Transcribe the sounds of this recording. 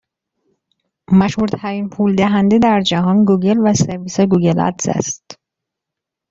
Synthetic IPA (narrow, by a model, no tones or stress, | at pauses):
mæʃhuɾt̪ʰæɾiːnpʰuːld̪æɦænd̪ed̪æɾd͡ʒæɦɒːnɡuːɡe̞lvæseɾviːseɡuɡelæ̰t̪sæ̰st̪